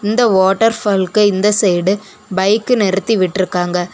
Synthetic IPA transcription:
ɪnd̪ɐʋoːʈːɐɾfɐlkɯɪnd̪ɐsɛjɽɯ | bɐɪkːɯnɛɾɯt̪ːiʋɪʈːɪɾɯkːaːŋɡɐ

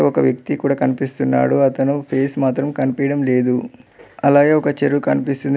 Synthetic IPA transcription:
ɔkɐʋjɐk̚t̪ikuːɽaːkɐnipist̪unːa̰ːɽuɐt̪ɐnupʰe̞ːsmaːt̪ɾɐmkɐnipijɐɽɐmle̞ːd̪uɐlaːɡe̞ːɔkɐt͡ʃeɾukɐnipist̪und̪

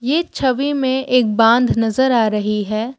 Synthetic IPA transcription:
jeːt͡ʃʰɐʋimẽʔeːk̚bãːnd̪ʱnɐzəɾaːɾɐɦiɦɛː

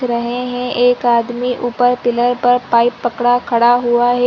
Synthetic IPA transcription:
ɾɐɦeɦɛ̃ʔeːkaːd̪miʔupəɾpɪləɾpɐɾpaːɪpːɐkɽakʰɐɽaɦuaɦɛ

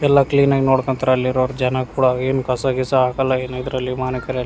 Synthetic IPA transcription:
ɛlːakliːnaːɡnoːɽkɐnt̪ɐɾɐlːiɾoːɾd͡ʒɛnɐkuːɽɐeːnukɐsaɡisɐaːɡɐlːaeːnaid̪ɾɐlːimaːnɐkɐɾeɐl

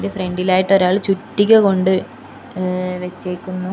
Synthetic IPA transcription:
defreɳɖilaːjiʈːo̞ɾaːɭt͡ɕutːikʲːɐko̞ɳɖɨ | ʋet͡ɕːejkʲːunːu

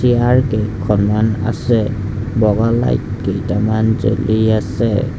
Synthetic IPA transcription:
iaɹkekʰɔnmana̰sɛbɔɡala̰jt̚kejtamanzo̰liasɛ

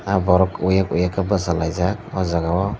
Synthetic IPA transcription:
abaɾokujakṵjakabazalazakazaɡawa

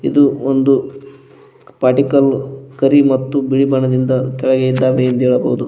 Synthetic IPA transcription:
id̪uond̪u | paːʈikɐlkɐɾimɐt̪ːubiɭibɐɳɐd̪ind̪ɐkɛɭɐɡejid̪ːaːʋeend̪ɛːɭɐbɐ̰ɦud̪u

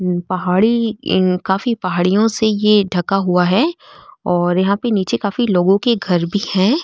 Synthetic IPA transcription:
pɐɦaːɽikaːfipɐɦaːɽijõsejeɖʱɐkaɦuaɦɛːɔːɾjɐɦãpeniːt͡ʃekaːfiloːɡõkeɡʱɐɾbʱihɛ̃ː

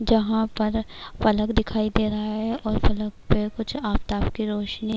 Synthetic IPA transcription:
d͡ʒɐɦãpɐɾpɐləkd̪ɪkʰaːid̪eːɾɐɦaaɦɛʔɔːɾpɐləkpekʊt͡ʃʰaːpt̪aːpkiɾoːʃni

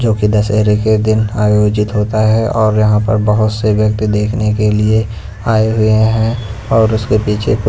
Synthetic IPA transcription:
d͡ʒoːkid̪ɐsɛɦɾeked̪ɪnaːjoːd͡ʒɪt̪ɦoːt̪aɦɛɔːɾjɐɦãpɐɾbəɦʊt̪seʋjɐk̚t̪id̪eːkʰnekelie | aːeɦʊeɦɛ̃ɔːɾʊskepiːt͡ʃʰepʊ

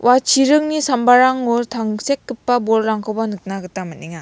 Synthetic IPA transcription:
wat͡ʃʰiɾɯŋnisambaɾaŋuɾtʰaŋsekːɯpːabɔɾːaŋkʰɔwbanɯk̚naɡɯtamɯniŋa

